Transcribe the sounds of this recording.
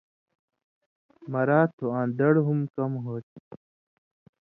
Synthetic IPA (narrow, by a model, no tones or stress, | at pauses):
mɐɾaːt̪ʰoãːnd̪ɐɽɦumkɐmɦoːt̪̚